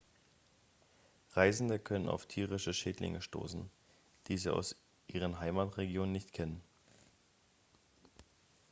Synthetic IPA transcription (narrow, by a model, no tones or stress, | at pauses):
ʁaɪzn̩dəkʰœnəna̰ʊftʰiːʁɪʃəʃeːtlɪ̰ŋəʃto̰ːsn̩ | d̥iːziːa̰ʊs | ʔiːʁ̞ənɦaɪmatʁeɡjoːnənːɪçtkʰɛnən